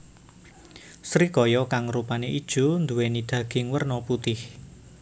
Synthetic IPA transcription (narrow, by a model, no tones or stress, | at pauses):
sɾikɔjɔkaŋrupaneʔid̥ʒ̥ṳnd̪uwenid̪̥ä̤ɡ̥ɪ̤ŋwərnɔput̪ɪh